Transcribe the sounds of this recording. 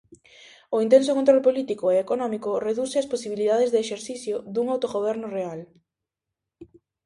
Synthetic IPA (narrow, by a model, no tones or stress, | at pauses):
oint̪̬ensokont̪ɾɔlpolit̪ikoeekonɔmikoreðuseasposiβiliðaðezðeeʃeɾθiθjod̪uŋawt̪oɣoβ̞ɛɾnʊreal